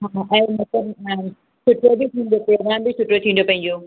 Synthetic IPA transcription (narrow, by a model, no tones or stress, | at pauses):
ɦãʔɐ̃imɐt̪lɐb | sʰʊʈɾobʱit̪ʰĩnd̪opɾoːɡɾaːmbʱisʰʊʈɾot̪ʰĩːnd̪opɐ̃iɲd͡ʑo